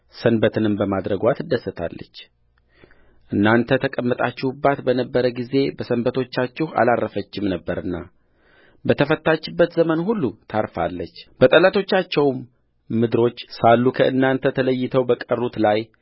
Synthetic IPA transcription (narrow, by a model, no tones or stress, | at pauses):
sənbət̪ʰɨnɨmbəmad̪ɾəɡʷat̪ʰd̪əsːɨt̪ʰa̰lːə̰t͡ʃː | ʔɨnːant̪ʰət̪ʰəkʼəmːət̪ʼat͡ʃːɪhubːat̪bənəbːəɾəɡize̞bəsənbət̪ʰo̞t͡ʃːat͡ʃːɪha̰larʔəfət͡ʃːɪmnəbːəɾɨnːa̰ | bət̪ʰəfət̪ːat͡ʃːɪbːət̪zəmənɦulːut̪ʰaɾfa̰lːət͡ʃːb̥ət̪ʼəlat̪ʰo̞t͡ʃːat͡ʃːɛwmː | ɨd̪ɨɾo̞t͡ʃːsalːukʰəʔɨnːant̪ʰət̪ʰələjːɪt̪ʰəwbəkʼərːut̪laj